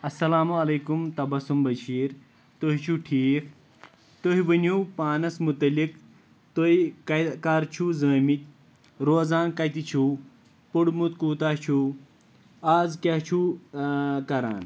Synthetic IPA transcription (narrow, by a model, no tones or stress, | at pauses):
ɐsɐlaːmuɐlɐːkumt̪ɐbɐsumbɐʃiːɾ | t̪oɦit͡ʃʰuʈʰiːk | t̪oɦiʋənuːpaːnɐsmut̪ɐlik | t̪oiɐkaːɾt͡ʃʰuzəːmit̪̚ʲ | ɾoːzaːnkɐjt̪it͡ʃʰuː | puɽmut̪kuːt̪aːt͡ʃʰuː | aːzkʲɐht͡ʃʰu | kɐɾa̰ːn